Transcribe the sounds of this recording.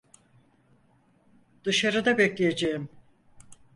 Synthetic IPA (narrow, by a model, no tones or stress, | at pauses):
d̪ɯʃaɾɯd̪abeclʲejed͡ʒejim